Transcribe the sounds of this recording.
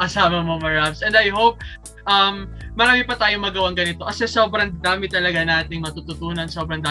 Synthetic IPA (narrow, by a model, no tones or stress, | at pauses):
ʔɐsaːmɐmomɐɹabsʔɛ̃nd̪ɐjhowp̚ | ʔɐmː | ɐɾaːmɪpɐt̪aːjomɐɡɐwaŋɡɐnɪt̪o̞ʔɐsɛsoːbɾɐŋd̪aːmɪt̪ɐlɐɡanaːt̪ɪŋmɐt̪ut̪ʊt̪uːnɐnsobɾɐŋd̪aː